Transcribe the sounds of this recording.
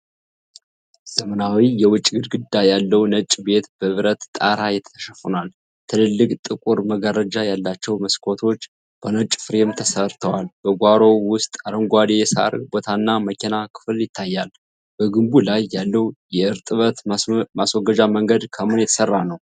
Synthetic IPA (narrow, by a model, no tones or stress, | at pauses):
z̥əmənawijɛwʊt͡ʃʼːɡɨd̪ɡɨd̪ːajalːəwnət͡ʃʼbe̞t̪b̥əβɾət̪t̪ʼaɾajɛt̪ʰə̥ə̥ʃəfunal | t̪ʰɨlɨlːɨkʼt̪ʼɨkʼuɾməɡəɾəd͡ʒajalːat͡ʃːɛwməskʰo̞t̪ʰo̞t͡ʃː | b̥ənət͡ʃʼːfɨɾemt̪ʰəsəɾt̪ʰəwalb̥əɡʷaɾo̞wʊst̪ʼaɾəŋɡʷad̪ejɛsa̰ɾbo̞t̪ʰanːaməkinakʰɨ̥fɨljɪt̪ʰːajːal | b̥əɡɨmbulajːalːəwjɛɨɾt̪ʼɨβət̪maswɔɡəd͡ʒaməŋɡəd̪kʰəmɨnjɛt̪ʰə̥sərːanəw